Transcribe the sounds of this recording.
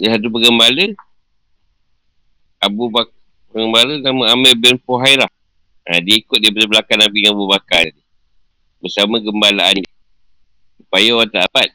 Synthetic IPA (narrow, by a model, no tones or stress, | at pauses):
dəsadupəɡəmbalə | abubak | pəŋɡəmbalənaməamɛbɛnfoɦajlah | a̰diikʊt̪̚dibətəbəlakanabiəŋabubakadi | bəsamaɡəmbalaan | supajawat̪aabat̪̚